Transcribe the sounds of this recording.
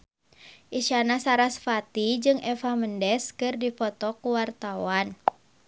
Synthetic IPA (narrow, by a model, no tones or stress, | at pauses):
ʔiʃanasaɾasfat̪id͡ʒɨŋɛfaməndɛskɨrdifɔt̪ɔkuwart̪awan